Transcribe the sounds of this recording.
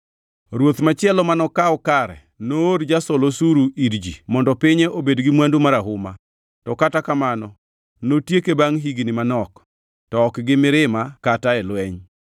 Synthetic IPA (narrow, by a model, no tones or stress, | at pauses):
ɾwot̪mat͡ʃɪɛlɔmanɔkaɔkaɾɛ̰ | nooɾd͡ʒasɔlosuɾuiɾd͡ʒimɔndɔpɪɲeʔobedɡɪmwandumaɾaɦʊma | tɔkatakamanɔ | notjekebaŋɦiɡnɪmanɔk | tɔːkɡɪmɪɾɪmakataɛlwɛɲ